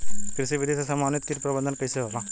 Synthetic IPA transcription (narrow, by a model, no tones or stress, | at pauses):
kɾɪʃiʋɪd̪eːʃɐsɐmaːnɪt̪kiɾpɾɐbə̃nd̪ʱənkɐiseɦoːlãː